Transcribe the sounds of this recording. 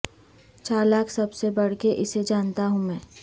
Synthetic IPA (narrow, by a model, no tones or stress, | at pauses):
t͡ʃaːɾlaːkʰsɐbsebɐɽ̤keʔɪsed͡ʒaːnt̪aɦũmɛ̃ː